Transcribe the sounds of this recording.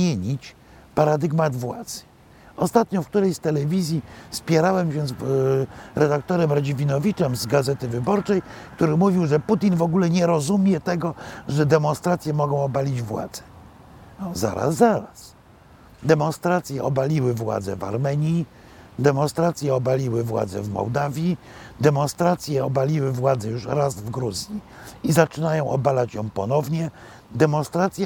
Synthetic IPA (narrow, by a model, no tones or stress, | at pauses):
eɲit͡ɕ | paɾad̪ɘɡmad̪vwa̰d̪z̥ɘ̥ | ɔst̪at̪ɲɔfk̚t̪uɾɛjst̪ɛlɛvʲizʲjispʲjɛɾawɛmɕɛz | ɾɛd̪ak̚t̪ɔɾɛmɾad͡ʑivʲinɔvʲit͡ʂɛmzɡazɛt̪ɘvɘbɔɾt͡ʂɛjkt̪uɾɘmuvʲiwʐɛput̪ʲinvɔɡulɛɲɛɾɔzumʲjɛt̪ɛɡɔʐɛd̪ɛmɔnst̪ɾat̪sʲjɛmɔɡɔ̃w̃ɔbalʲid͡ʑvwa̰d̪z̥ɛ̥ | ɔza̰ɾa̰sːaɾas | d̪ɛmɔ̃nst̪ɾat̪sʲjɛʔɔbalʲiwɘvwa̰d̪zɛ̰va̰ɾmɛɲi | d̪ɛmɔnst̪ɾat̪sʲjɛɔbalʲiwɘvwa̰d̪zɛ̰vmɔ̰wd̪avʲjid̪ɛmɔ̃nst̪ɾat̪sʲjɛɔbalʲiwɘvwad̪zɛjuʂɾazvɡɾuzʲji | izat͡ʂɘnajɔ̃w̃ʔɔ̰balat͡ɕjɔ̰̃w̃pɔnɔvɲɛ | d̪ɛmɔ̃nst̪ɾat̪sʲja